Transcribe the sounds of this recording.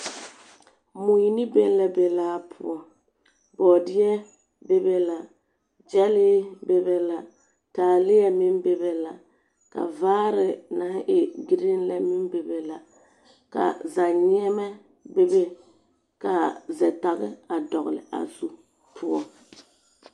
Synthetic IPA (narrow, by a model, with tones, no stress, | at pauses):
mu˨ji˦nɪ˦be˦n˦lɛ˦be˨laː˦pʰʊ̰˦ɔ˨ | bɔː˨dɪ˦ɛ˦ | be˦be˦la˨ | d͡ʒɛ˦lɪ˦be˦be˦la˨ | taː˨lɪ˦jɛ˦mɪ˦mbe˦be˦la˨ | ka̰˨vaː˦ɾɪ˨na˨˦ʔɪ˨ɡi˨ɾi˦nlɛ˦mɪ˦mbe˨be˨la˨ | ka̰˨za˨ɲɛ˦mɛ˦ | be˦be˦ | ka˨zɛ˨ta˨ɣɪ̰˦a˨dɔ˨ɣ̰lɪ̰˨a̰˨zu˦ | pʰʊ˦ɔ˦